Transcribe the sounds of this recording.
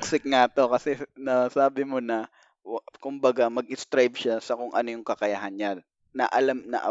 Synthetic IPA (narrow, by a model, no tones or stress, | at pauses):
ksɪk̚ŋat̪o̞kɐsɛnɐsaːbɪmo̞nɐ | kʊmbɐɡamɐɡ̚ʔɪst̪ɾajb̚ʃasɐkʊŋʔɐnojʊŋkɐkɐjaɦanɲan | nɐʔɐlamnɐ̰ʔɐ̰